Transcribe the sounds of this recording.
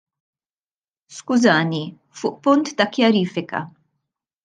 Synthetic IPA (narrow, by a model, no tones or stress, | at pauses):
skʊzɐːni | fʊːʔpʊnt̪ːɐkjɐɾiːfɪkɐ̰